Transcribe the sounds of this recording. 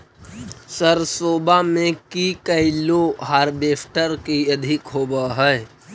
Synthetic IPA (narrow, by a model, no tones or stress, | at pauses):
səɾsoːbamẽkikəɪloɦaːɾbeːpʰʈəɾkiəd̪ʱɪkɦoːbəɦəj